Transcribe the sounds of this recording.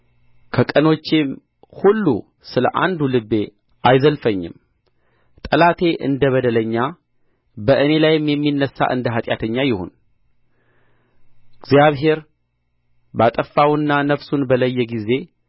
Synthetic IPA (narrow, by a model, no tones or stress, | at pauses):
kʰəkʼəno̞t͡ʃːem | hulːṵ | sɨlə̰ʔa̰nd̪ulɨbːe̞ | ʔajzəlfəɲːɪ̰m | t̪ʼəlat̪ʰe̞ʔɨ̰nd̪əβəd̪ələɲːa | bəʔɨne̞lajɪmjɛmːinːəsːa̰ʔɨnd̪əɦat̪ʼja̰t̪ʰəɲːajɪho̞̰n | ɨɡzjaβɦe̞ɾ | bat̪ʼəfːawɨnːanəfsunbələjːɛɡize̞